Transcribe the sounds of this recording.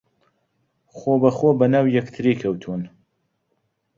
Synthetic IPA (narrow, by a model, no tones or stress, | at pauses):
xobɐxoːbɐnaːwjɐkt̪ʰɨɾikʰɐwt̪ʰuːn